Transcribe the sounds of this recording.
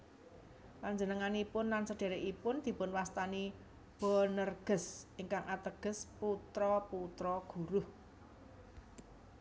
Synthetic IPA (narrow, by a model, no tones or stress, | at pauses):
paɲd͡ʒənəŋanipʊnlansəɖ̥e̤ɾeʔipʊnd̪̥i̤pʊnwast̪ani | b̥ɔ̤nərɡ̥ə̤sʔɪŋkaŋʔat̪əɡ̥ə̤sput̪ɾɔput̪ɾɔɡ̥ṳɾʊh